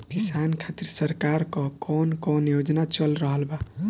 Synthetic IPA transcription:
kisankʰat̪iɾsəɾkaɾkɔkɔnkɔnjod͡ʒnat͡ʃəlɾəɦəlba

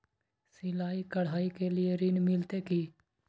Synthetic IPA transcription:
sɪlaːiːkəɽ̤ɦaːiːkeːlɪeːɾɪnmɪlt̪eːkiː

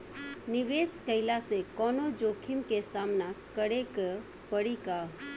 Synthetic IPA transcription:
niʋeskəjlasekɔnod͡ʒokʰimkesamnakəɽek | pəɽika

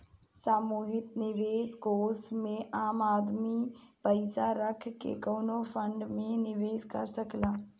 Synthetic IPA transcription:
saːmuːɦɪt̪nɪʋeːzɡoːsmẽʔaːmaːd̪mipəɪsaɾəkʰkḛkoːnofʰə̃ɳɖmẽnɪʋeːzka̰səklaː

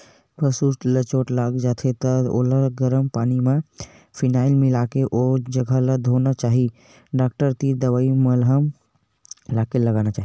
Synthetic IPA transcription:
pɾəsuʈlət͡ʃoʈlaɡd͡ʒat̪ʰet̪əo̰ləɾɡəɾəmpaːnime | pʰinaːɪlmilakeʔod͡ʒəɡʱaləd̪ʱonat͡ʃaɦi | ɖak̚ʈəɾt̪id̪əʋaiməlɦəm | lakeləɡanat͡ʃaːɦi

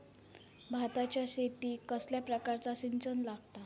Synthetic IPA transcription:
bʱat̪at͡ɕjaɕet̪iːkəsljapɾəkaɾt͡saɕint͡sənlaɡt̪a

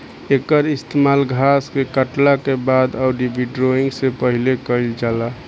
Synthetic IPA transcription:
eːkəɾɪst̪ʰemaːlɡʱaskekəʈlakebad̪ɔʊɾibʱiɖɾoĩŋɡsepəɦilekəɪld͡ʒaːla

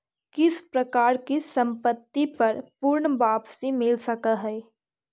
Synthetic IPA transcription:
kɪspɾɐkaːɾkisɐ̃mpət̪ːipɐɾpʊɾɳbaːpsimɪlsɐkaɦɛː

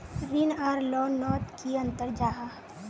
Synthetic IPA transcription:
ɾiːnaːɾlɔːnːɔːʈ̪kiɐ̃nt̪əɾd͡ʒaːɦa

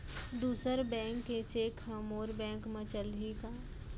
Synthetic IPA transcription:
d̪uːsəɾbɛ̃ːŋkːet͡ʃeːkɦɐmoːɾbɛ̃ːŋkmɐt͡ʃəld̪ʱikaː

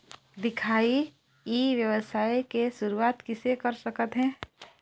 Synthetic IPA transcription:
d̪ɪkʰaːi | jiːʋjəʋəsaːikeʃʊɾuaːt̪kɪsekɐɾsɐkət̪ɦɛ̃ː

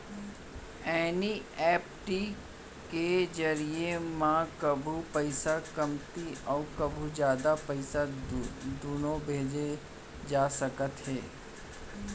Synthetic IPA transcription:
ɛːniɛːpʈi | ked͡ʒɐɾiemãkɐbʱupəɪsakɐmt̪iɔːkɐbʱud͡ʒjaːd̪apɐɪsa | d̪unõbʱeːd͡ʒe | d͡ʒaːsəkət̪ɦɛː

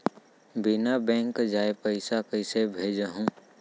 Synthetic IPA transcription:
bɪnabɛ̃ːŋkd͡ʒaːepəɪsakəɪsebʱeːd͡ʒəɦũː

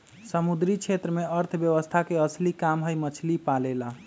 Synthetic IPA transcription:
səmud̪ɾit͡ʃʰet̪ɾəmeəɾt̪ʰbjəʋəst̪ʰakeəslikamɦəjmət͡ʃʰlipalela

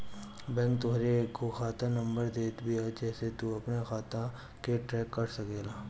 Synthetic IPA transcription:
bɛ̃ːŋkt̪ʊɦɾeːkːoxaːt̪ãnɐ̃mbəɾd̪eːt̪bʱiad͡ʒɛːset̪uɐpnexaːt̪ã | keʈɾɛːkːɐɾsɐkeːlaː

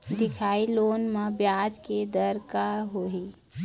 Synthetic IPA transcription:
d̪ɪkʰailonmebjad͡ʒked̪əɾkaɾɦoɦi

